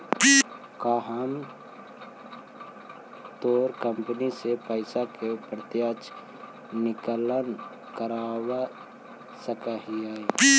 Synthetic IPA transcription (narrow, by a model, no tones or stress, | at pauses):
kaːɦəm | t̪oːɾkə̃mpənisepəɪsakepɾət̪jaːt͡ʃ | nɪklən | kəɾaːwa | səkaɦia